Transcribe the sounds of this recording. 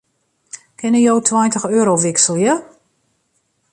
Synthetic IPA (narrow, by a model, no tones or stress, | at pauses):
kʰɪnəjowtʰwajntəxøːɾowʋɪksəlˠjə